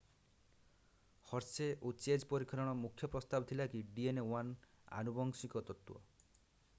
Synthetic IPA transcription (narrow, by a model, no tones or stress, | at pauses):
hɔɾseʔot͡ʃed͡ʒpɔɾikʰɔɾɔɽ̃ɔmukʰjɔpɾɔst̪abɔt̪ʰilakiɖienewana̰nubɔŋsikɔt̪ɔt̪uɔ̰